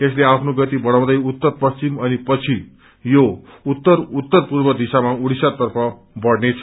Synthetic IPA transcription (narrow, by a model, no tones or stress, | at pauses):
esleapʰnoɡʌt̪ibʌɽãw̃d̪ʌjut̪ːʌrpʌst͡simʌnipʌt͡sʰi | jout̪ːʌrut̪ːʌrpurbʌd̪isamauɽisat̪ʌrpʰʌ | bʌɽnet͡sʰʌ